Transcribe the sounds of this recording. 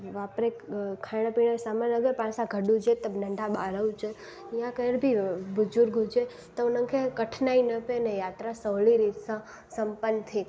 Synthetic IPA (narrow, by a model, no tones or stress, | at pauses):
ʋapɾekkʰːajɽ̃ə̃piɳəsamənəɡəɾpãsãɡʱəɖũd͡ʒet̪əbnəɳɖʱabaɾəwt͡ʃʰe | ijãkəɽbʱibud͡ʒuɾɡʱud͡ʒe | t̪onə̃ŋkʰekəʈʰnainəpenejat̪ɾasəʋɭiɾit̪sa | səmpənt̪ʰi